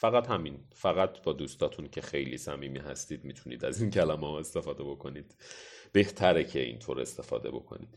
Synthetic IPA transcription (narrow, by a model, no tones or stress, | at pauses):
fæɣæt̪hæminfæɣæt̪ʰbɒːd̪uːst̪ɒːt̪ʰuncʰe̞xejliːsæmiːmiːɦæ̰st̪iːd̪mit̪ʰunḭːd̪æzincʰælæmehɒːe̞st̪e̞fɒːd̪e̞bo̞kʰo̞niːd̪̥b̥e̞ht̪ʰæɾecʰe̞ḭnt̪ʰo̞ːɾe̞̰st̪e̞fɒ̰ːd̪e̞̰bo̞̰kʰo̞̰niːd̪̥